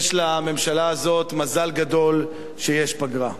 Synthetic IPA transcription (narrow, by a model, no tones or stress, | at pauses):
ʃlame̞mʃalaːzo̞t̪mazalɡad̪o̞l | ʃejeʃpaɡʁa